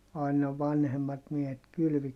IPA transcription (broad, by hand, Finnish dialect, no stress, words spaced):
ɑˑinɑ ʋɑnhemːɑt miehet kylʋi